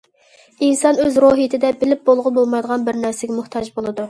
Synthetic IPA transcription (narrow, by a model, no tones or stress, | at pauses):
insɑnøzɾoɦɨt̪ʰɪd̪ɛbɪlɪp̚bolˠʁʊbolˠmɑjd̪əʁɑnbɪɾnæɾsɛɡʲɛmʊht̪ʰɑʒbolˠɨd̪u